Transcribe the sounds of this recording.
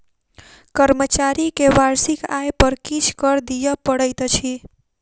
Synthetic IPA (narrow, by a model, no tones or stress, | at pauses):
kəɾmət͡ʃaɾikeʋaɾsikajpəɾkit͡ʃʰkəɾd̪ijəpəɽəjt̪t͡ʃʰi